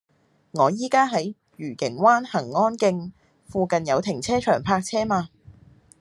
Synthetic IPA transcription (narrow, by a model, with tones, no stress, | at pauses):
ŋɔː˨˧jiː˥kaː˥ɦɐ˨˥j | ɥyː˨˩kɪ˨˩ŋwaː˥nhɐ˨˩ŋːɔː˥nkɪ˧ŋ | fuː˧kɐ˨njɐ˨˧wt̪ʰɪ˨˩ŋt͡sʰɛː˥t͡ʃʰœ̰ː˨˩ŋpʰaː˧k̚t͡sʰɛː˥maː˧